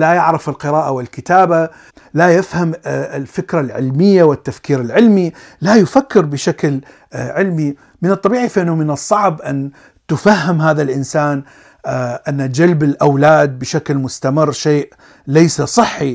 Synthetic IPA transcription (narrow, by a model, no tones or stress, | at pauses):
lajaʕɾɪfɪlqɨɾaːʔawɪlkɪt̪aːba | lajɪfhamɪlfɪkɾalʕɪlmɪjːawɪt̪ːafkiːɾɪlʕɪlmi | lajʊfakːɪɾbɪʃakl | ʕɪlmi | mɪnɨt̪ˤːɑbiːʕifʔɪnːʊmɪnɨsˤːɑʕbʔan | t̪ʊfahːɪmɦaːðalʔɪnsaːn | ʔanːad͡ʒalbɪlʔawlaːd̪̚bɪʃaklmʊst̪amɪrːʃeːʔ | lajsasˤɨħːi